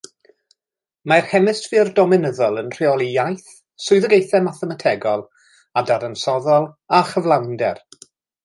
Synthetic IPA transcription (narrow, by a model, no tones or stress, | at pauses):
marhɛmɪstvirdɔmɪnəðɔlˠənr̥iɔlˠijajθ | sʊɨðəɡejθɛmaθɛmatʰɛɡɔlˠ | adaɾənsɔðɔlˠ | aχəvlˠawndɛr